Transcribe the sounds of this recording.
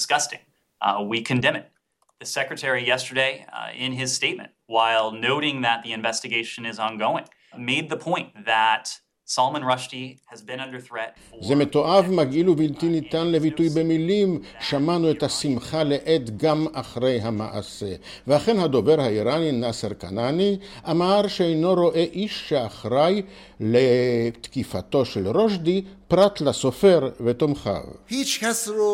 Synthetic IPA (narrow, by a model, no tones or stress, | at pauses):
dskʌstɪ̰̃ŋ | wikʰɨ̃ndɛ̃mɨt | ðɨsɛkɹɨtʰɛɹijɛstə˞deɪɪ̰̃nɪz̥steɪt̚mɨ̰̃ntwaɪlˠnoʊɾɪ̃ŋðɨt̪̚ðiɨ̃ɱvɛstɨɡeɪʃɨ̃nɨzn̩ɡoʊɪ̃ŋ | meɪd̪̚ðəpʰɔ̃ɪ̃nðət | sɑlˠmə̃nɹʌʃtiɨzbɨ̃nʌ̃ndə˞θɹɛt̚ | zeme̞t̪o̞ʔavmaɡʔilubiltinit̪anle̞vitujbe̞milimʃamanuetasimχaleʔet̪ɡamaχʁe̞jɦama̰ʔa̰se̞ | vehaχe̞nhad̪o̞veʁhaiɾaninaseʁka̰naniʔamaʁʃeejno̞ɾo̞ʔe̞ʔiʃːeaχʁaj | let̪kifat̪o̞ʃelʁo̞ʃdipʁat̪lasofeʁvet̪omχa̰vpit͡ʃkas